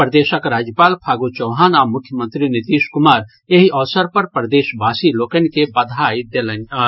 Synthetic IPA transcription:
pɾəd̪eːʃəkɾaːd͡ʒjəpaːlpʰaːɡot͡ʃɔːɦaːnaːmʊkʰːjəmə̃nt̪ɾinɪt̪iːʃkʊmaːɾ | eɦiʔɔːsəɾpɐɾpɾd̪eːʃbaːsiloːkənkebɐd̪ʱaːid̪eləna

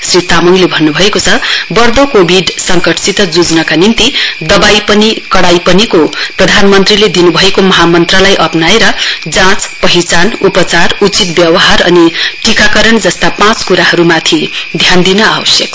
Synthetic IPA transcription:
srit̪amuŋlebʱʌnːubʱʌekot͡sʰʌbʌrd̪okobʱiɖsʌŋkʌʈsit̪ʌd͡zud͡znʌkanint̪id̪ʌbajpʌnikʌɽajpʌnikoprʌd̪ʱanmʌnt̪riled̪inubʱʌekomʌɦamʌnt̪ralajʔʌpnaeɾʌd͡zãt͡spʌɦit͡sanupʌt͡sarut͡sit̪̚bjʌwʌɦaɾʌ̰niʈikakʌɾʌnd͡zʌst̪apãt͡skuɾaɦʌɾumat̪ʰid̪ʱjand̪inʌa̰wʌsjʌk

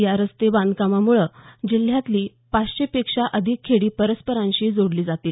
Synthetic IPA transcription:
jaɾəst̪ebãnd̪kamamuɭəd͡ʑil̤jat̪liː | past͡ɕepekʂaʔəd̪ʱikʰːeɽiːpəɾəspəɾãɲɕiːd͡zoɽliːd͡zat̪iːl

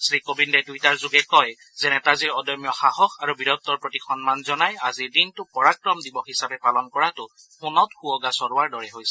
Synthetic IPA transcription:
sɹikobindɛdujtaɹzuɡɛkɔj | zɛnɛtaziɹɔdɔmjɔxaɦɔxʰaɹubiɹɔt̪ːɔɹpɹotixʰɔnmanzɔnajazidintʊpɔɹakɹɔmdibɔɦisabɛpalɔnkɔɹatʊ | xunɔtxuɔɡasɔɹuwaɹdɔɹɛɦojsɛ̥

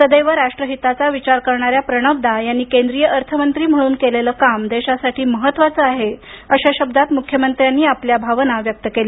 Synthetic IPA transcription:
t̪əd̪ejʋəɾːaʂʈɾəɦit̪at͡saʋit͡ɕaɾkəɾɳaɾjapɾəɳ̃əʋd̪ajanːiːkẽnd̪ɾijəʔəɾt̪ʰəmənt̪ɾiːm̤əɭuːnkeleləːkamd̪eɕasaʈʰiːməɦət̪ːʋat͡səaɦe | əɕaɕəb̚d̪at̪mukʰjəmənt̪ɾjanːiːapljabʱaʋnaʋjək̚t̪əkele

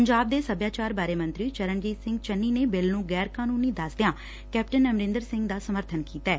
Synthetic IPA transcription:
əɲd͡ʒaːb̚d̪eːsəbjaːt͡ʃaːɾbaːɾeːmə̃nt̪ɾiːt͡ʃəɾənd͡ʒiːsɪ̃ŋɡt͡ʃənːiːneːbɪlnũːɡɛːɾkaːnuːniːd̪əsd̪ejãː | kɛːpʈənːəmɾɪ̃ːnd̪əɾsɪ̃ŋɡd̪aːsəməɾt̪ʰənkiːt̪aɛː

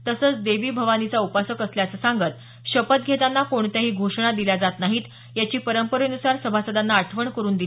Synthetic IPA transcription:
t̪əsəːt͡sd̪eʋiːbʱəʋanit͡saupasəkəsljat͡səsaŋɡət̪ | ɕəpət̪̚ɡʱet̪anːakoɳt̪aɦiːɡʱoʂɳ̃ad̪ilad͡zat̪naɦiːt̪ | jat͡ɕiːpəɾəmpəɾenusaɾsəbʱasəd̪anːaːʈʰʋəɳkəɾuːnd̪il

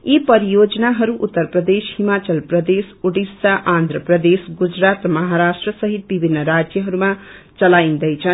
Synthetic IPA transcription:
ipʌɾijod͡zʌnaɦʌɾuʔut̪ːʌrprʌd̪eshimat͡sʌlprʌd̪esuɽisaʔand̪ʱrʌprʌd̪esɡud͡zɾat̪mʌɦaɾasʈrʌsʌɦit̪̚bibʱinːʌɾad͡zjʌɦʌɾuma | t͡sʌlajnd̪ʌjt͡sʰʌn

